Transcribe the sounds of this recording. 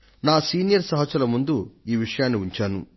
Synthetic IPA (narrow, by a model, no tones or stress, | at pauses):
naːsiːnijɐɾsɐɦɐt͡ʃɐlɐmund̪uiːʋiʂɐjaːnːiuɲt͡ʃaːnṵ